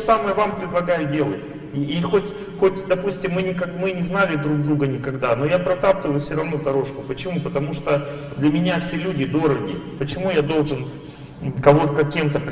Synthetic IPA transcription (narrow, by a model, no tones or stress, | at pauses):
saməjəvampɾʲɪd̪lˠɐɡajʊdʲe̞lˠətʲ | ixotʲ | xotʲd̪ɐpusʲtʲɪmːɨnʲɪkɐmɨnʲɪznalʲɪd̪ɾuɡ̚d̪ɾuɡənʲɪkɐɡd̪ano̞japɾɐt̪apt̪ʲɪvəjʊfsʲoɾɐvnod̪ɐɾo̞ʂkʊpət͡ɕɪmupət̪ɐmuʂt̪o | d̪lʲɐmʲɪnʲafsʲelʲudʲɪd̪o̞ɾəɡʲɪpət͡ɕɪmujad̪o̞lˠʐɨn | kɐvot̪kɐkʲːemt̪əpʲ